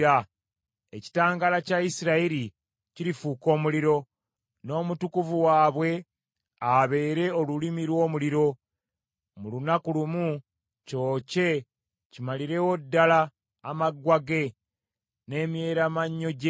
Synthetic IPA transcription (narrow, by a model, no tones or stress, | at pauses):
a | ḛci̥taːŋɡalacaisiɾaiɾi | ciɾifuːko̞ːmuliɾo̞ | no̞ːmutukuvuwaːβwe̞ | aβe̞ːɾe̞o̞lulimiɾwo̞ːmuliɾo̞ | mulunakulumu | co̞ːce̞ | cimaliɾe̞wo̞dːalaː | maɡwaɡe̞ | ne̞ːmje̞ːɾamaɲːo̞ɟ